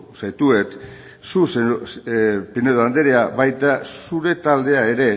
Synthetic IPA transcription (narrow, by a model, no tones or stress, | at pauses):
sajt̪ue̞t̪ | suse | pineðoand̪eɾeaβajt̪asuɾe̞t̪ald̪e̞ae̞ɾe̞